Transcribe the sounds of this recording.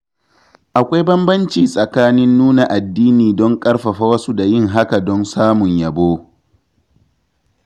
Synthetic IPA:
ʔa˨kʷa˦jbɐ˦mbɐ˦nt͡ʃiː˨sʼɐ˨kaː˦nɪ˦nːuː˦na˨ʔa˨dːiː˦niː˨dɔ˦ŋkʼɐ˦ɽɸɐ˨ɸa˦wɐ˦su˦da˨jɪ˦˨ŋɦa˦ka˨dɔ˦nsaː˦mʊ˨ɲjɐ˨boː˦

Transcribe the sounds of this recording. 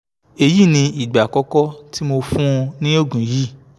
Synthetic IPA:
e˧ji˦˨nĩ˧i˨ɡ͡ba˨kɔ˦kɔ˦ti˦mo˧fũ˦˧nĩ˦o˦˨ɡũ˨ji˦

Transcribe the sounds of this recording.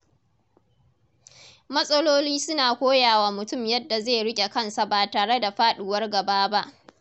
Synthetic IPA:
mɐ˦sʼɐ˦loː˦liː˦sʊ˦naː˨kʷoː˦jaː˨waː˨mʊ˨tʊ˦˨mjɐ˦dːa˨zeː˦˨ɽɪ˦kʲʼe˨kɐ˦nsa˨baː˨taː˨ɽe˦da˨ɸaː˦ɗuː˨wɐ˦rɡɐ˨baː˦ba˦ʔ

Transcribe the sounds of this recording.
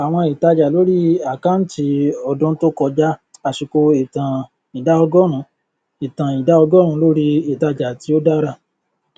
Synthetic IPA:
a˨w̃ɔ̃˧i˨ta˧d͡ʒa˨lo˦ɾi˦a˦˨ka˦n̩˦ti˧ɔ˧dũ˦to˦kɔ˧d͡ʒa˦a˨ʃi˧ko˧e˨tã˨ | i˨da˨˦ɔ˧ɡɔ˦ɾ̃ũ˨˧˦ | i˨tã˨i˨da˨˦ɔ˧ɡɔ˦ɾ̃ũ˧˦lo˦ɾi˦i˨ta˧d͡ʒa˨ti˧˦o˦da˦ɾa˦˨

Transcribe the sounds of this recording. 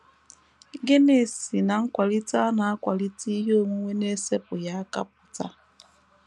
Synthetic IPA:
ɡe˦ne˦˨si˨na˨˦ŋ̩˦kwa˨li˦t͡sa˦na˨˦kwa˨li˦t͡si˦jo˦˨mu˦wɛ˦ne˦sɛ˦pu˨ja˨˦ka̰˦p̚u˨t͡sa̰˦

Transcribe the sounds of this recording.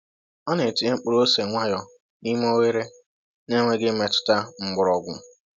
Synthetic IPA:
ɔ˦ne˨tɪ˨e˦ŋ͡m̩˦k͡pʊ˦ɾo˦se˨ŋʷa˦jɔ˨ | ni˦m˦o˦we˦ɾe˦ | ne˦ŋʷe˦ɡɪ˦me˨tʊ̥˦ta˦ŋ͡m̩˦ɡ͡bʊ˨ɾɔ˨ɡʷʊ˨˦˨

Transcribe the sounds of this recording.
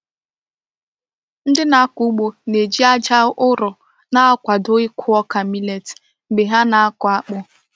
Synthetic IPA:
n̩˦dɪ˦na˨˦ku˦ɡ͡bo˨ne˨d͡ʒi˦a˦d͡ʒa˦ʔʊ˦ɾʊ˨ | na˦ɔ˦kʷa˨dʊ˦ɪ˦kʰʊ˦ɔ˦ka˨mi˦le˨t | ɡ͡be˨ɦa˦na˨a˦kʊ˨˦a˦k͡pʊ˦

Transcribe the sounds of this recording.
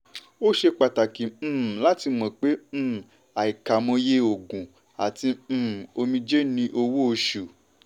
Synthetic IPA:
o˦ʃe˧k͡pa˨ta˨kĩ˨˦˨la˦ti˧mɔ̃˧k͡pẽ˨˦˨ | a˨i˨ka˨mõ˧je˦o˨ɡũ˨ | a˨tĩ˧˦˨o˧mĩ˧d͡ʒe˦nĩ˧ʔo˧wo˦o˧ʃu˨

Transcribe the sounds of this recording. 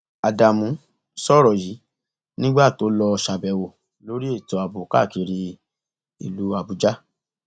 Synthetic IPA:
a˨da˨mũ˨˦ | sɔ˦˨ɾɔ˨ji˨˦ | nĩ˦ɡ͡ba˦˨to˨˦lɔ˧ʃa˨bɛ˨wo˨ | lo˨˦ɾi˦e˦˨tɔ˨a˨bu˨ka̰˦˨ki˧˦ɾi˧ | ḭ˨lu˨˦a˨bu˨˦d͡ʒa˦

